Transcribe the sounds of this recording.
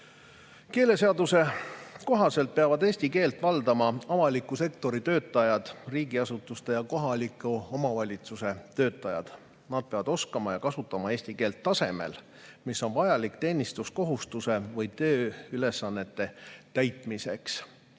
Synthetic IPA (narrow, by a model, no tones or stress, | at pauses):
ke̞ːle̞se̞ɑd̪use̞ko̞ɦɑse̞lt̪̚peɑvɑd̪e̞ːsʲt̪ike̞ːlt̪ːˑvɑld̪̥ɑmɑɑvɑlikːˑuse̞kt̪o̞ɾit̪ø̞ːt̪ːˑɑjɑd̪̥riːɡiɑsut̪ːˑust̪e̞jɑko̞ɦɑlikːˑuo̞mɑvɑlʲit̪suse̞t̪ø̞ːt̪ːˑɑjɑ̰d̪̥ | nɑd̪̚pe̞ɑvɑd̪o̞skɑmɑjɑkɑsut̪ːˑɑmɑe̞ːsʲt̪ike̞ːlt̪ːɑse̞̰me̞̰l | misːo̞nvɑjɑlikt̪e̞ːnist̪usko̞ɦust̪use̞vɯjt̪øːyle̞sːɑnːe̞t̪ːe̞t̪æjt̪ˑmise̞̰ks